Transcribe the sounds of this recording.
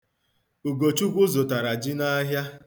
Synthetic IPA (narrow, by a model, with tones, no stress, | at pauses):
u˨ɡo˨t͡ʃu˦ɡʷʊ˦zo˨ta˨ɾa˨d͡ʒi˦na˦ɦja˦